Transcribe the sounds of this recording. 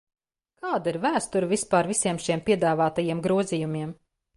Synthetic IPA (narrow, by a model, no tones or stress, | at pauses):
kaːd̪iɾvæːst̪uɾvispaːɾvisiɛmʃiɛmpʲiɛd̪aːvaːt̪ajiɛmɡɾuɔzijumʲiɛm